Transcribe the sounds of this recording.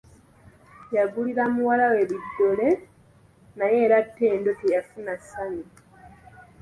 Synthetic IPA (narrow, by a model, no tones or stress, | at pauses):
jaɡuliɾamuwalawe̞βidːo̞le̞ | naje̞ːɾatːe̞ːndotejafunasani